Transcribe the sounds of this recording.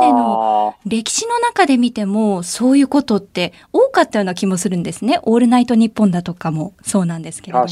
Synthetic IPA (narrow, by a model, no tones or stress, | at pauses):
eno̞ɾe̞kʲi̥ɕino̞nakad̪e̞mʲit̪e̞mo̞so̞ːjɯ̟ːko̞t̪o̞t̪ːe̞ | oːkat̪ːajo̞ːnakʲimo̞sɨɾɯ̟nd̪e̞sɨne̞ʔo̞ːɾɯ̟nait̪o̞ɲ̟ipːõ̞nd̪at̪o̞kamo̞so̞ːnãnd̪e̞sɨ̥ke̞do